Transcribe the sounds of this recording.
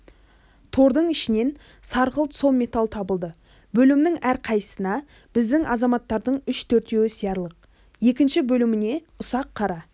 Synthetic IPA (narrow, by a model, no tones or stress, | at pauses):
t̪ʰo̞ɾd̪əɴɪʃɪne̞n | sɑɾʁəlˠt̪so̞me̞t̪alˠt̪ʰɑbəlˠd̪ə | bɵlɪmnɪŋæɾqʰɑjə̥sənɑ | b̥ɪzd̪ɪŋʔɑzɑmɑt̪ːɑɾd̪əɴʏʃt̪ʰɵɾt̪e̞wɪsijɑɾlˠəq̚ | je̞kʲɪnʃɪbɵlɪmɪne̞ | ʊsɑqʰːɑɾɑ